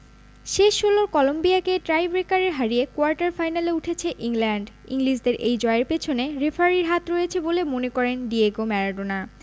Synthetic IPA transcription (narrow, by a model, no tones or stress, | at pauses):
ʃeʃɦoloɾkɔlombiakeʈɾajbɾekaɾeɾɦaɾiekoaɾʈaɾfajnaleuʈʰet͡ɕʰeʔiŋlɛɳɖ | ḭŋliʃd̪eɾʔejd͡ʑɔeeɾpet͡ɕʰoneɾefʰaɾiɾɦat̪ɾojet͡ɕʰebolemonekɔɾenɖieɡomɛɾaɖona